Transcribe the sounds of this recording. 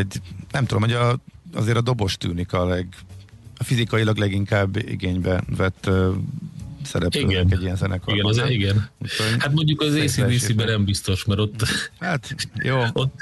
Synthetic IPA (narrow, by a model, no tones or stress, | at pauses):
ɟnɛmt̪ud̪omho̞ɟɒɒ̰zeːɾɒd̪o̞bo̞ʃt̪y̰ːnikɒlɛɡɒfizikɒjilɒɡlɛɡiŋkaːbḭɡeːɲbɛvɛt̪ː | sɛ̰ɾɛpiøːɡɛkɛɟːijɛnzɛnɛkoɡɛnziɡɛnuchoɲhat̪mo̞ɲɟukɒzeːsiːd̪isibɛɾɛmbist̪o̞ʃmɛɾo̞t̪ːhat̪joːot̪ː